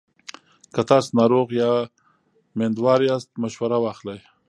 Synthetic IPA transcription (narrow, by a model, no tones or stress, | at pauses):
kat̪ɑsnɑɾoɣjɑ | mend̪wɑɾiast̪maʃwaɾawɑːxlaj